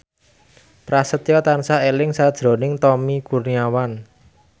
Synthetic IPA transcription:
pɾasət̪jɔt̪ansaelɪŋsad̥ʒ̥ɾo̤nɪŋt̪ɔmikurniawan

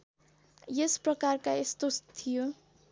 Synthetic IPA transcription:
jesprʌkarkaest̪ost̪ʰijo

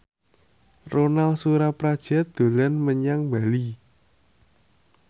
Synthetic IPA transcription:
ronalsuɾapɾad̥ʒ̥a̤d̪̥o̤lanməɲaŋbali

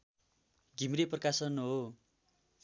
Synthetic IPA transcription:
ɡʱimreprʌkasʌnɦo

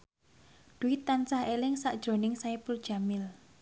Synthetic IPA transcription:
d̪̥uɪt̪ːant͡ʃahelɪŋsa̰ʔd̥ʒ̥ɾo̤nɪŋsaipurd̥ʒ̥a̤mɪl

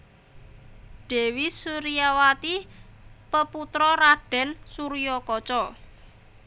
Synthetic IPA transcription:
ɖ̥ɛ̤wisuɾijawat̪i | pəput̪ɾɔɾaɖ̥ɛ̤nsuɾijɔkɔt͡ʃɔ

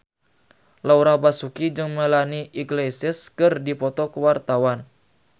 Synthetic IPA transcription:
lauɾabasukid͡ʒɨŋməlaniʔiɡlesɪskɨrdipɔt̪ɔkəwart̪awan

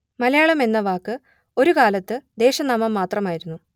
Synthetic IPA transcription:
mɐlɐjaːɭɐme̞nːɐʋaːkːɨ | o̞ɾukaːlɐt̪ːɨd̪e̞ːɕɐnɐmːɐmːaːt̪rɐmaːjiɾunːu

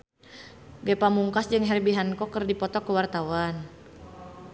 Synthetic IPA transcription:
ɡɛpamuŋkasd͡ʒɨŋɦɛrbiɦankɔkərdipɔt̪ɔkəwart̪awan

